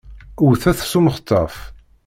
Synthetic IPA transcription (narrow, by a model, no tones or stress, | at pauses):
ʊɾθæθsuməχə̥t̪ʰˤːɑf